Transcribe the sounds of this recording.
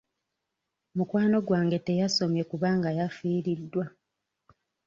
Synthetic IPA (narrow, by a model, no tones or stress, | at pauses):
mukwaːno̞ɡwaːŋɡe̞te̞jaso̞mje̞kuβaːŋɡajafiːɾidːwa